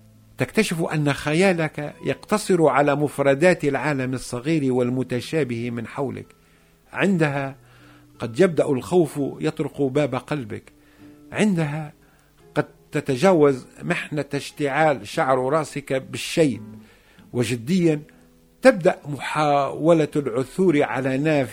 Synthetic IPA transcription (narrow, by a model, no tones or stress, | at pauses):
t̪akt̪aʃɪfʔa̰nːaxajaːlakajɑqt̪ɑsˤɨɾʕalamʊfɾˤɑd̪aːt̪ɪlʕaːlamɨsˤːɑɣiːɾiwɪlmʊt̪aʃaːbɪhmɪnħawlɪ̰k | ʕɪnd̪aɦa | qɑd̪jab̚d̪aʔalxawfjɑt̪ˤɾʊqbaːbaqɑlbɪ̰k | ʕɪnd̪aɦa | qɑd̪̚t̪at̪aʒaːwazmɪħnat̪aʃt̪ɪʕaːlʃaʕɾɾˤɑʔsɪkabɪʃːajt̪̚ | wɪʒɪd̪ːɪjːan | t̪ɪb̚d̪aʔmʊħaːwalalʕʊθuːɾiʕa̰lanaːf